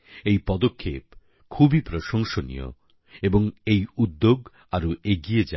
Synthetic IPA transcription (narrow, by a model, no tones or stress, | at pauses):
ejpɔd̪okʰːep | kʰubʱipɾoʃoŋʃonḭjo̰ | eboŋejud̪ːoɡ | aɾoʔeɡied͡ʑa